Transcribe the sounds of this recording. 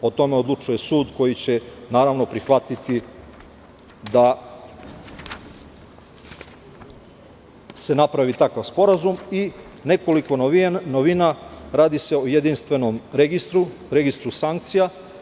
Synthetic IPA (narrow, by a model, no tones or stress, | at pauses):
o̞t̪o̞meod̪lˠut͡ʃuje̞suːd̪ko̞jit͡ɕe̞naːɾaʋno̞pɾixʋat̪it̪i | d̪a | se̞napɾaʋit̪akaʋspo̞ɾazumine̞ko̞liko̞noinoʋinaɾaːd̪ise̞ojed̪inst̪ʋe̞nomɾeɡist̪ɾuɾe̞ɡist̪ɾusaŋk̚t̪sija